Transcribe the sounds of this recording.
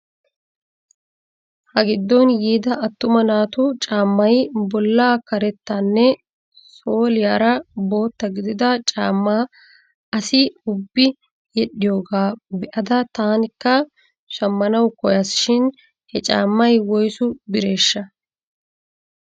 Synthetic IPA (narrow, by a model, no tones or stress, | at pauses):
hɐɡɪd̪ːɔnjiːd̪ɐʔɐt̪ːʊmɐnaːt̪ʊt͡ʃʼaːmːɐjbɔlːaːkɐɾɛt̪ːanːɛ | so̞ːlɪjaːɾɐbo̞ːt̪ːɐɡɪd̪ɪd̪ɐt͡ʃʼaːmːaː | ɐsɪʊbːɪ | jɛɗːɪjo̞ːɡaːbɛʔɐd̪ɐt̪aːnɪkːɐ | ʃɐmːɐnɐwkɔjɐsʃɪn | hɛt͡ʃʼa̰ːmːɐjwɔjsʊbɪɾe̞ːʃːɐ